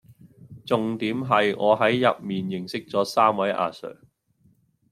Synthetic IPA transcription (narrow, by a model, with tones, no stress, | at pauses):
t͡sʊ˨ŋt̪iː˨˥mɦɐ˨jŋɔː˨˧ɦɐ˨˥jːɐ̰˨p̚miː˨njɪ˨˩ŋsɪ˥k̚t͡sɔː˨˥saː˥mwɐ˨˥jʔa̰ː˧sœ̰ː˨˩ŋ